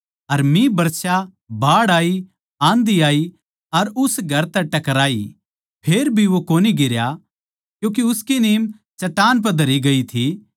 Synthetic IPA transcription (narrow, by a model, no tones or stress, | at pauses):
ɐɾmĩbɐɾt͡ʃa | bʱaːɽaːi | ãːnd̪iaːi | ɐɾʊsɡʱɐɾt̪ɛʈɐkɾaːi | pʰeːɾbʱiʋokoːniɡɪɾja | kjũːk̬iʊskineːm | t͡ʃɐʈaːnp̬ɐd̪ʱɐɾiɡɐit̪ʰi